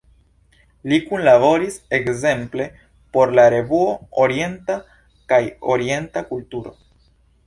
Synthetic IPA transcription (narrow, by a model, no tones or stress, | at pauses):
likunlabo̞ɾise̞kze̞mple̞ | po̞ɾlaɾe̞vuo̞oɾie̞nta | kajo̞ɾie̞ntakultuɾo̞̰